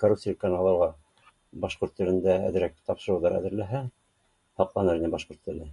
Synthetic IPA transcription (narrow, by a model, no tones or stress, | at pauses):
korup̪silikːanɑlˠɑlˠʁɑ | bɑʃqoɾt̪ːɘ̆lɘ̆nd̪ææ̰ðɘ̆ɾæk̚t̪ɑpʃɤ̆ɾɤ̆wðɑɾæ̰ðɘ̆ɾlæɦæ | hɑqlˠɑnɤɾinɘbɑʃqoɾt̪ːɘ̆lɘ